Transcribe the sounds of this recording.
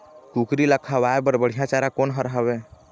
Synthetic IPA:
kukɾiləkʰaʋaebəɾbəɽ̤ijãt͡ʃaɾakonɦəɾɦəbe

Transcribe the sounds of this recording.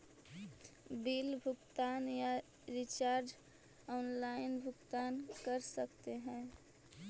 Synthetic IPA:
bilbʱʊɡt̪aːnja | ɾit͡ʃaːɾd͡ʒ | ɔːnlaɪnbʱʊɡt̪aːnkəɾsəkt̪eɦɛ̃ː

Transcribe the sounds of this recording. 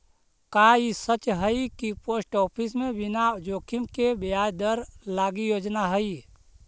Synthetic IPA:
kaːisət͡ʃɦəikipoːsʈɔːpʰɪsmẽbɪnaʊd͡ʒoːkʰɪmkebɪjaːjd̪əɾlaːɡijoːd͡ʒnaɦəi

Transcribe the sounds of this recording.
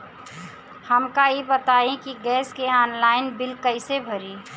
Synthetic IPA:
həmkaebət̪aːẽkiɡɛːskeaːnlaːɪnbɪlkəɪsebʱəɾiː

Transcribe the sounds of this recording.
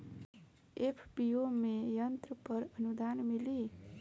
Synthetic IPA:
epʰbiomejʌnt̪ɾəpəɾʌnud̪anmili

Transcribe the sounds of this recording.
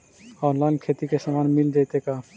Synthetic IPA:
ɔnlajnkʰet̪ikeʃɔmanmild̪ejt̪eka

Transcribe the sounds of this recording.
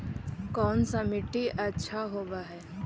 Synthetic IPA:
kɔːnsamɪʈːiʔɐtːʃʰaɦoːbaɦɛː

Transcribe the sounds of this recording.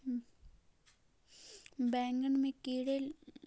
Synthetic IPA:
beːŋɡɐnmẽkiːɽel

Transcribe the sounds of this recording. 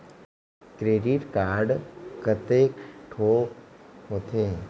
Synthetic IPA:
kɾeːɖiʈkaːɾɖkət̪ekʈʰoːɦot̪ʰe

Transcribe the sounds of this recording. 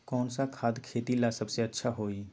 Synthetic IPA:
kɔːnsakʰaːd̪kʰeːt̪ilasəbseətːʃʰaɦoːi

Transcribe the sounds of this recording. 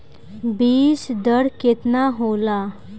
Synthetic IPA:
biːsd̪əɽket̪naɦola

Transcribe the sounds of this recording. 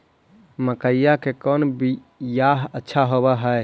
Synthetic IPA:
məkəjakekɔnbi | jaɦətːʃʰaɦoβɛɦəj

